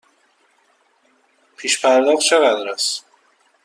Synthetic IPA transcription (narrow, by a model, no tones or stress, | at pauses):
pʰiːʃpʰæɾd̪ɒɣt͡ʃʰe̞ɣæd̪ɾæs